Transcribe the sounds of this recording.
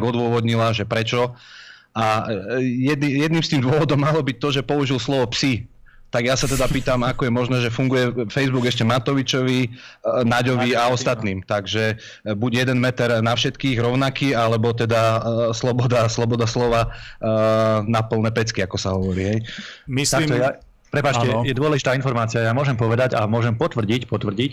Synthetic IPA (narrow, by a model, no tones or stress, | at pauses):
ɡɔd̪ʊɔʋɔd̪ɲilaʒɛpɾɛt͡ʃɔ | ʔa | jɛd̪ijɛd̪niːmst̪iːmd̪ʊɔʋɔd̪ɔmːalɔbic̚t̪ɔʒɛpɔuʒilslɔʋɔpsi | t̪aɡjasat̪ɛd̪apiːt̪amakɔjɛmɔʒnɛːʒɛfuŋɡujɛfɛjzbuɡɛʃcɛmat̪ɔʋit͡ʃɔʋinaɟɔʋiaɔst̪at̪niːmt̪aɡʒɛ | buɟjɛd̪ɛnmɛt̪ɛɾnafʃɛt̪kiːɣɾɔʊnakiːalɛbɔt̪ɛd̪aslɔbɔd̪aslɔbɔd̪aslɔʋa | napl̩ˠnɛpɛt͡skiakɔsaɦɔʋɔɾḭːɦɛj̪ | akt̪ja | pɾɛpaːt͡ʃcɛjɛd̪ʊɔlɛʒit̪aːinfɔɾmaːt͡siɪajamʊɔʒɛmpɔʋɛd̪aɟamʊɔʒɛmpɔt̪ʋr̩ɟicpɔt̪ʋr̩ɟic